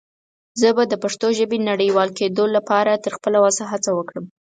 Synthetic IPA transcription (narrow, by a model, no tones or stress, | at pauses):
zəbad̪əpaʂt̪oʒəbenaɽəjwɑlked̪olapɑɾat̪əɾxpəlawɑsaɦat͡sawəkɽəm